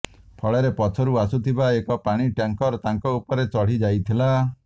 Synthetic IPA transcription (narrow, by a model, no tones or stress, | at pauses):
pʰɔɭeɾepɔtʰɔɾuasut̪ʰibaekɔpaɽ̃iʈjaŋkɔɾt̪aŋkɔupɔɾet͡ʃɔɽ̤id͡ʒajt̪ʰila